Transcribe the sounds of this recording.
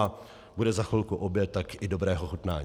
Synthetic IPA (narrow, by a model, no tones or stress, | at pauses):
a | budɛzaxulkuʔobjɛt̪ːakɪdobɾɛːɦoxut̪na̰ː